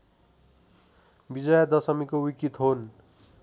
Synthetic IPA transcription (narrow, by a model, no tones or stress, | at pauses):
bid͡zʌjʌd̪ʌsʌmikowikit̪ɦon